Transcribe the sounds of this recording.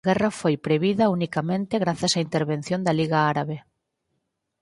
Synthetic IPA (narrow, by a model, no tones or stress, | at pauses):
ɣɛrɐfojpɾeβiðɐunikamẽnt̪eɣɾaθɐsaint̪eɾβen̟θjõnd̪ɐliɣaaɾaβe